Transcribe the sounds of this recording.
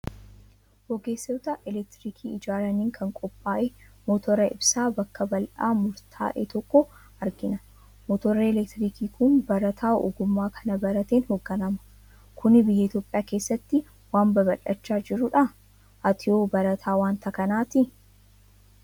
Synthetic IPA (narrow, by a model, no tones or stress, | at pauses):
wɔɡeːsːɛwt̪aʔɛlɛk̚t̪ɪɾiːkʰiːɪd͡ʒaːɾɐniːŋkʰɐŋkʼɔpʼːaːʔemɔt̪ʰɔɾɐɪbsaːbɐkːɐbɐlʔa̰ːmʊɾt̪ʰa̰ːʔḛːt̪ɔkːɔ | ɐɾɡɪnɐ | mɔt̪ɔɾɐɛlɛk̚t̪ɪɾiːkiːkʊnbɐɾɐt̪ʰaːɔ̰ɡʊmːaːkʰɐnɐbɐɾɐt̪eːnhɔɡːɐnɐmɐ̥ | kʰʊnɪbɪjːɐɪt̪jo̞ːpʼɪjaːkeːsːɐt̪ːɪ | waːmbɐbɐlɐt͡ʃːaːd͡ʒɪɾʊᶑɐ | ʔɐt̪ʰɪoːbɐɾɐt̪ʰaːwaːnt̪ʰɐkɐnaːt̪ɪ